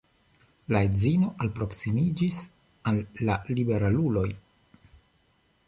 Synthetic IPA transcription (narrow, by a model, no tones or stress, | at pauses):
laezino̞ʔalpɾo̞ksimid͡ʒis | alːalibe̞ɾalulo̞j